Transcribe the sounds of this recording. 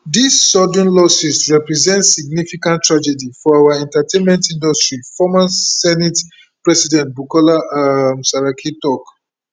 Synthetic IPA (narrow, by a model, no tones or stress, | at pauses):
disːɔdɔ̃nlɔsisɹɛpɹizɛ̃ntsiɡ̚nifikãntːɹad͡ʒɛdifɔawaɛ̃ntatẽnmɛ̃ntĩndɔstɹifɔmasɛnit | pɹɛsidɛ̃nt̚bukɔlaamsaɹakʰitɔk